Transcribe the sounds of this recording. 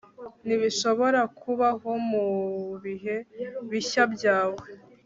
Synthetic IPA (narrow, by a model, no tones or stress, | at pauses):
niβiʃo̞βo̞ɾakʰuβaɦo̞muβiɦe̞βiçabɟaːwe